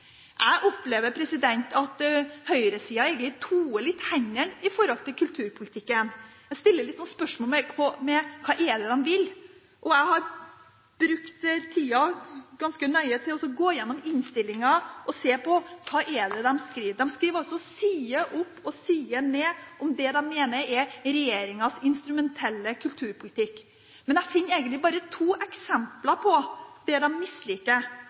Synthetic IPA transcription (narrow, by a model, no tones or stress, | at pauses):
ʔæɪʔɔpːleːʋəɾpʰɾɛsɪd̪ɛnt̪ʰɑt̪hœʏɾəsiːɑæɛɪɡənɪt̪ʰuːəlɪt̪ːhæɲəɳɪfɔɾɔlt̪ɪlkʰʉlt̪ʰʉːɾpʰʊlɪt̪ʰɪkːən | æst̪ɪlːəɾɭɪt̪ːsɔnəspœʂmɔlmɛkʰɔmɛkʰɑːʔɛd̪ɛd̪ɛmʋɪl | ʔɔæɪhɑɾ | b̥ɾʉkt̪t̪ʰiːɑɡɑnskənœʏət̪ʰɪlɔsɔɡoːjɛnːɔmɪnst̪ɪlːɪŋɑʔɔseːpʰɔkʰɑːʔɛɖ̪ɛd̪ɛmskɾiːʋd̪ɛmskɾiːʋɾɔsɔsiːəʔʊpːɔsiːənɛːʔɔmd̪ɛd̪ɛnmeːnəɾɛɾɛjeːɾɪŋɑsɪnst̪ɾʉmɛnt̪ʰɛlːəkʰʉlt̪ʰʉːɾpʰʊlɪt̪ʰɪkː | mɛnæfɪnːæɪɡənlɪbɑːɾət̪ʰuːʔɛksɛmplɑɾpʰɔd̪̥ɛd̪ɛmmɪslɪːkːə